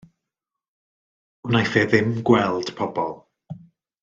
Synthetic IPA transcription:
najθɛðɪmɡwɛlˠd̥pʰɔbɔlˠ

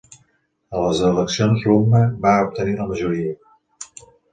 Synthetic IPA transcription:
ələzələksionzruməbaup̚t̪əniləməʒuɾiə

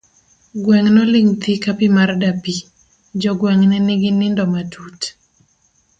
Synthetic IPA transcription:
ɡwɛŋnɔlɪŋt̪ikapɪmardapi | d͡ʒɔɡwɛŋnɛnɪɡɪnɪndɔmatʰut

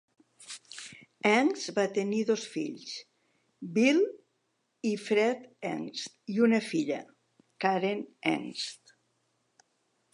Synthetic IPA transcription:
ɛŋzbat̪eniðosfiʎs | bil | ifɾɛt̪ɛ̰ŋst̪iunəfiʎə̰ | kaɾenɛ̰ŋst̪

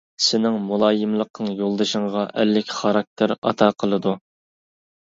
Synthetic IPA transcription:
sɪnɪŋmulˠɑːjɪmlˠəq̚nɨŋjolˠd̪ɨʃəŋʁɑʔælːɪkʲʰχɑɾɑk̚t̪ʰɪɾɑ̰t̪ʰɑːqʰəlˠɨd̪u

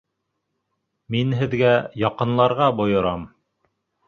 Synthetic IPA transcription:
minɦɘ̆ðɡæjɑqɤ̆nlˠɑɾʁɑbŏjŏɾɑm

